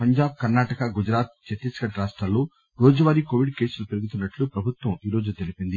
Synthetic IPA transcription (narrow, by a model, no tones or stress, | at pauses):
pɐɲd͡ʒaːb̚kɐɾnaːʈɐkɐɡud͡ʒɾaːt̪̚t͡ʃeʈːiskɐʈɾaːʂʈɾaːlːoː | ɾoːd͡ʒɐʋaːɾikoːʋiɖke̞ːsulɐpeɾuɡut̪unːɐʈlupɾɐbʱut̪ʋɐmiːɾo̞ːd͡ʒut̪elipind̪i